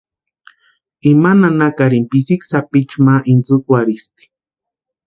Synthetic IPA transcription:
imananakaɾimpisiksapit͡ʃmaʔint͡sukwaɾist̪i̥

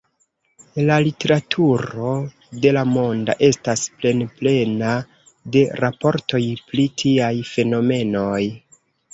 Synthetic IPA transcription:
lalite̞ɾatʰuɾo̞ | de̞lamo̞nda̰ʔe̞stasple̞nple̞na | de̞ɾapo̞ɾto̞jpɾitʰiajfe̞no̞me̞no̞j

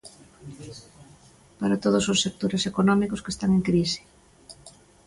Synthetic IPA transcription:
paɾat̪oð̞ososːek̚t̪oɾesekonɔmikʊskest̪aŋeŋkɾisɪ̥

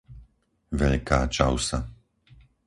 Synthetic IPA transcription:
ʋɛʎkaːt͡ʃaʊsa

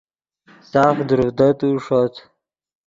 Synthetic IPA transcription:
saːfd̪uɾud̪ət̪uʂot̪

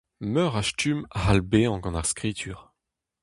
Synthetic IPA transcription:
mœʁaʃtʰymʁalbeɑ̃ɡɑ̃naʁskχit̪ʰyːʁ

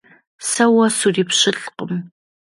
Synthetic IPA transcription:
sɐwɐsuriːpɕɪɬqəm

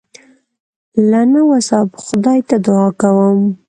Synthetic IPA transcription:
lanawasɑbxʊd̪ɑjt̪ad̪ʊɑkawəm

